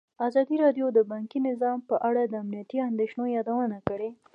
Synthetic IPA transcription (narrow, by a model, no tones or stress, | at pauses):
azɑd̪iɾɑɖjod̪əbɑŋkinɪzɑmpəʔaɽad̪əamnijat̪iand̪eʃnojɑd̪awənakəɽe